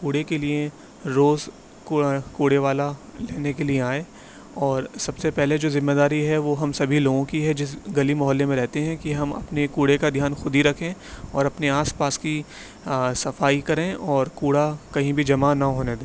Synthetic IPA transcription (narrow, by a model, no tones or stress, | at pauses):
kuːɽekelie | ɾoːz | kkuːɽeʋaːlaleːnekelieaːeː | ɔːɾsɐbsepɛɦled͡ʒoːzɪmːeːd̪aːɾiɦɛʋoɦɐmsɐbʱiloːɡõkiɦɛd͡ʒɪs̬ɡɐlimɔɦəlːemẽɾɛɦt̪eɦɛ̃kiɦɐmɐ̰pnekuːɽekad̪ʱjaːnxʊd̪ʱiɾɐkʰẽːɔ̰ːɾɐpneaːspaːski | sɐfaːikɐɾẽʔɔːɾkuːɽakɐɦĩbʱid͡ʒɐmanɐɦoːned̪eː